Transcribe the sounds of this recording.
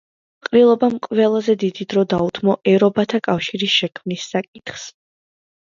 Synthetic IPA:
qʼɾilˠɔbamqʼvɛlˠazɛd̪id̪id̪ɾɔd̪aut̪ʰmɔʔɛɾɔbat̪ʰakʼafʃiɾisʃɛkʰmnisːakʼit̪ʰχs

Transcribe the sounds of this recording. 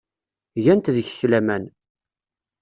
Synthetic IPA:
ʝænt̪ðəçə̥çlæmæn

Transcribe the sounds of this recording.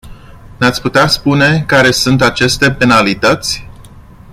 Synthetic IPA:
nat̪sʲput̪easpune̞kaɾe̞sunt̪at͡ʃe̞st̪e̞pe̞nalit̪ət̪sʲ

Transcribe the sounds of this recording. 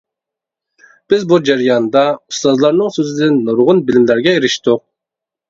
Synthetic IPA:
b̥ɪzbud͡ʒɑɾijɑnd̪ɑust̪ɑzlˠɑɾnɨŋsøzɪd̪ɪnːoɾʊʁʊnbilɪmlæɾɡʲɛiɾiʃt̪ʊq̚

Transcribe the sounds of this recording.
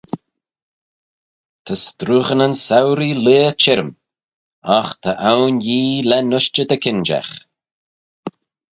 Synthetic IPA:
t̪ʰəst̪ɾuːɣənənsawɾileːt͡ʃʰɪɾəm | axt̪ʰəʔawnjiːlɛnʊʃt͡ʃəd̪əkʰɪnd͡ʒa̰x

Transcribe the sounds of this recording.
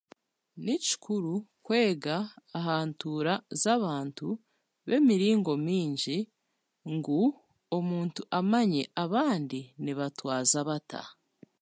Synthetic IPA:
nici̥kʰuɾukwe̞ːɡaːɦaːntuːɾazaβaːntu | βe̞miɾiːŋɡo̞miːɲɟi | ŋɡu | omuːntuʔamaɲe̞ʔaβaːndiniβatwaːzaβatʰa̰

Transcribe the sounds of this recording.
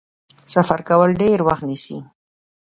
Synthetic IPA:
safaɾkawəlɖeɾwaxt̪nisḭ

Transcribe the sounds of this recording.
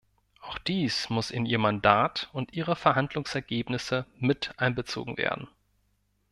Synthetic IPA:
ʔaʊxd̥iːsmʊsɪniːɐmandaːtʊntʔiːʁ̞əfɛɐɦandlʊŋsɛɐɡeːpnɪsəmɪtʔaɪnbət͡so̰ːɡŋ̩vḛːɐdn̩

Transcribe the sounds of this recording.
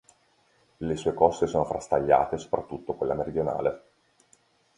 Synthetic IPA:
lesuːekɔsːesoːnofɾast̪aʎːa̰ːt̪eso̥pɾat̪ːut̪ːokwelːameɾid̪jona̰ːle

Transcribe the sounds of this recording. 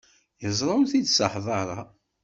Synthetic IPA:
jəzˤɾˤɑwθid̪səħðˤɑɾˤɑ̰

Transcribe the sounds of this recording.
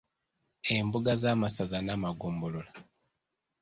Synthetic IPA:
embuɡazaːmasazanamaɡuːmbolola

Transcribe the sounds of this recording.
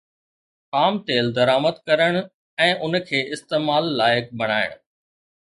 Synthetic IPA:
paːmt̪eːld̪ɐɾaːməd̪kɐɾəɽ̃ | ɛ̃ːʔʊnkʰeːʔɪst̪eːmaːlːaːjɪk̚bɐɽ̃aːɪ̰ɽ̃

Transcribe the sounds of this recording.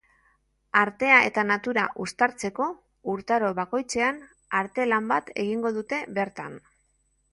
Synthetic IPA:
aɾt̪e̞ae̞̰t̪anat̪uɾaʔust̪aɾt͡se̞ko̞ | uɾt̪aɾo̞βako̞jt͡se̞an | aɾt̪e̞lambat̪e̞ɣ̞iŋɡo̞ðut̪e̞βe̞ɾt̪an

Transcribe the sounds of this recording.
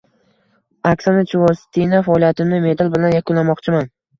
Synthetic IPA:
aksanat͡ʃʰʊvɒst̪ʰinafaɒlˠijat̪ʰɪmnɪme̞d̪albɪlanjakʰʲʊlːamɒqt͡ʃʰɪman

